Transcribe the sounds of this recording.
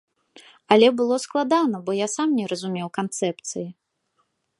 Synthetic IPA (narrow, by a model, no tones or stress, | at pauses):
ɐlʲɛbɨlˠɔsklˠad̪anɐbɔjasamnʲɛɾɐzumʲɛwkant̪sɛpt̪sɨji